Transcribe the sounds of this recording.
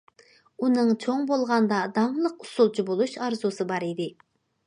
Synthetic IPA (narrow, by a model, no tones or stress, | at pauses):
unɨŋt͡ʃʰoŋbolˠʁɑnd̪ɑd̪ɑɴlˠəqusulˠt͡ʃʰibolˠuʃɑɾzusɨbɑɾid̪ɪ